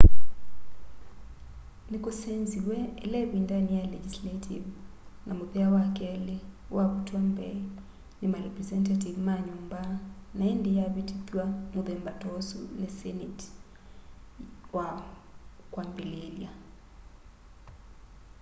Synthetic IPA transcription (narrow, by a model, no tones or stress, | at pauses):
nekosɛnziwɛːlɛβindanijalɛd͡ʒislatʰiv | nʔamoðɛawakɛlewaβutwambɛ | nemarɛprɛzɛntativmaɲumbanaendejaβetitwamoðɛmbatɔsonesɛnet | wa | kwambelelja